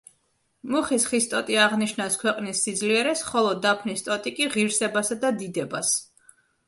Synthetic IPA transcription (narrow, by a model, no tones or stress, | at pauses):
muχisχist̪ʼɔt̪ʼiaʁniʃnaskʰwɛqʼnisːid̪zliɛɾɛsχɔlˠɔd̪apʰnist̪ʼɔt̪ʼikʼiʁiɾsɛbasad̪ad̪id̪ɛbas